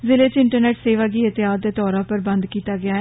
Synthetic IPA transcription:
zɪleːt͡ʃɪɳʈəɾneːʈseːʋaːɡiːət̪ɪɦaːd̪eːt̪ɔːɾãːpəɾbə̃nd̪kiːt̪aːɡɪaːɛ

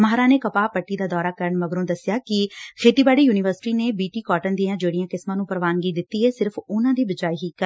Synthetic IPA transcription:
maɦɾãːneːkəpaːpəʈːiːd̪aːd̪ɔːɾaːkəɾəɳməɡɾõːd̪əsjaːkɪkʰeːʈ̪iːbaːɽiːjuːnɪʋəɾsɪ̥ʈiːneːbiːʈiːkɔːʈənd̪iːãːd͡ʒeːɽijãːkɪsmãːnũːpəɾʋaːnɡiːd̪ɪt̪ːiːɦɛːsɪɾpʰʊnãːd̪iːbəd͡ʒaːiːɦiːkəɾ

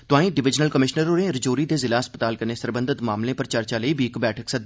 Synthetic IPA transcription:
t̪ʊãːĩːɖɪʋɪd͡ʒnəlkəmɪʃnəɾoːɾẽːɾəd͡ʒoːɾiːd̪eːzɪlaːspət̪aːlkəneːsəɾbə̃nd̪ət̪maːmlẽːpəɾt͡ʃəɾt͡ʃaːləiːbiːkbɛːʈʰəksəd̪

